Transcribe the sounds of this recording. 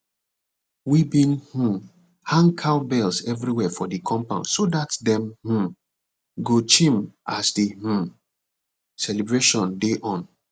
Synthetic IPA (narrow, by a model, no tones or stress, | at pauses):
wibĩnh̩ | hãŋkʰaʊbɛlsɛvɹiwɛfɔdikʰɔ̃mpãnsodatdɛ̃mh̩ | ɡot͡ʃĩmʔasdih̩ | sɛlibɹeʃɔ̃ndeʔɔ̃n